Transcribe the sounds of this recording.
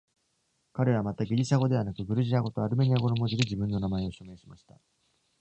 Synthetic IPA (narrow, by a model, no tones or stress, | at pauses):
kaɾe̞βamat̪aɡʲiɾʲiɕaɡo̞d̪e̞β̞anakɯ̟bɯ̟ɾɯ̟ʑiaɡo̞t̪oaɾɯ̟me̞ɲ̟iaɡo̞nomo̞d͡ʑid̪ed͡ʑibɯ̟̃nːo̞namae̞o̞ɕo̞me̞ːɕimaɕi̥t̪a